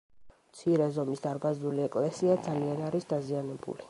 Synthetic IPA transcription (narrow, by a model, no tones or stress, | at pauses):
mt̪sʰiɾɛzɔmisd̪aɾbazd̪uliɛkʼlɛsiad̪zalianaɾisd̪azianɛbṵli